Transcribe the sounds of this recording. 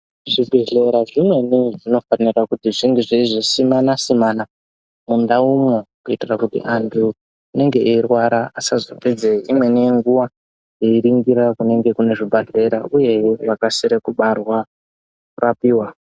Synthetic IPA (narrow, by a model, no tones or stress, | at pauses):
ʐibʱeɮe̞ɾaʐimwe̞niʐino̞fanirakutiʐinduʐeiʐisimanasimana | mundaumwe̞kuitirakutḭʔantʰu | ine̞ŋɡe̞ʔeirwaɾaasazoped͡zeimwe̞nieŋɡuʋa | jeiɾiŋɡiɾakune̞ŋɡe̞kune̞ʐibʱaɮe̞ɾauje̞ʋakasiɾekuɓarwa | kurapiːwa